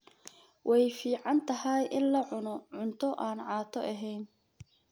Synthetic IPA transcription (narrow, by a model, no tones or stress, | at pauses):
wʔɛjfiːʕɑnt̪ʰɐɦɐjʔɪnlɐʕʊnɔʕʊnt̪ʰɔʔaːnʕɑːt̪ʰɔʔɐɦɛjn